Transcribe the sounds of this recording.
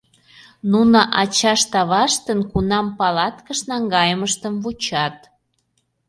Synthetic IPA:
nunəʔɑt͡ɕɑʃt̪ɑβɑʃt̪ənkunɑmpɑlɑt̪kəʃnɑŋɡɑjəməʃt̪əmvut͡ɕɑt̪

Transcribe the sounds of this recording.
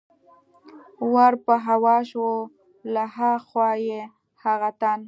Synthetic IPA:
waɾpəɦawɑʃwo | laɦaxwɑje | haɣat̪an

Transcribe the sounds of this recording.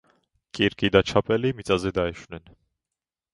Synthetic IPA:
kʼiɾkʼid̪ɑt͡ʃʰɑpʰɛlimit͡sʼɑzɛd̪ɑɛʃunɛn

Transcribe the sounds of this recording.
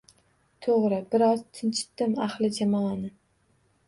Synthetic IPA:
t̪ʰoʁɾɪbɪɾɒzt̪ʰɪnt͡ʃʰɪ̥t̪ːɪmaχlˠɪd͡ʒamɒanɪ

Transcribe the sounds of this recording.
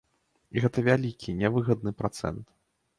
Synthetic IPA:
iɣɛt̪ɐvʲalʲikʲʰinʲɛvɨɣɐd̪̚nɨpɾat̪sɛ̰nt̪

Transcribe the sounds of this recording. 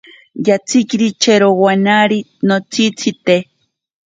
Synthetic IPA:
jat͡sikiɾit͡ʃeɾowanaɾi | not͡sit͡sit̪e

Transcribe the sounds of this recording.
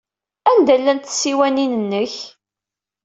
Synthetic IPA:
ænd̪ælːænt̪sːiwæninənːəç

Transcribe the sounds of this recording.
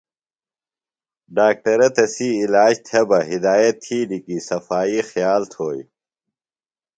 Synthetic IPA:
ɖaːk̚ʈɐɾɐt̪ɐsiːlaːd͡ʑt̪ʰebɐɦid̪aːjɐt̪ʰːiːlikisɐfaːixjaːlt̪ʰoːj

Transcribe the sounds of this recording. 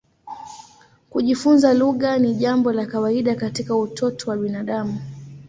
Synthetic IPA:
kuʄifunzaluɠaniʄambɔlakawaiɗakatikautʰɔtɔwaɓinaɗamu

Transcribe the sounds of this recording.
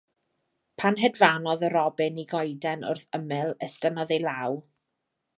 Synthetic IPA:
pʰanɦɛdvanɔðəɾɔbɨniɡɔjdɛnʊ̰rθəmɨlˠəstənɔðejlˠaw

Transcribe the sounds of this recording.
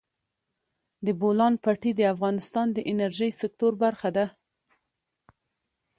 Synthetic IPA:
d̪əbolɑnpɑʈid̪əafɣɑnɪst̪ɑnd̪əʔɪnaɾʒəjsɪk̚t̪oɾbaɾxad̪a

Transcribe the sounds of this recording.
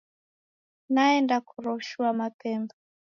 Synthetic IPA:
naɛndakuɾɔʃuamapɛmba

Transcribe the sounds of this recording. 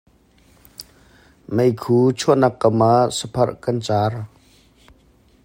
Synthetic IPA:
mejkʰuːt͡ʃʰuʔnakːəmasəpʰɐrʔkɐnt͡saːr

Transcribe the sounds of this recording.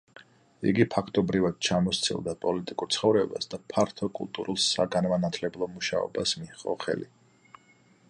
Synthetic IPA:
ḭɡipʰakʰt̪ʼɔbɾivad̪̥̚t͡ʃʰamɔst̪sʰḭlˠd̪apʼɔlit̪ʼikʼuɾt̪sʰχɔvɾɛba̰sd̪apʰaɾt̪ʰɔkʼṵlˠt̪ʼuɾulˠsa̰ɡanmanat̪ʰlɛblˠɔmuʃa̰ɔ̰basmiχʼɔ̰χɛ̰li

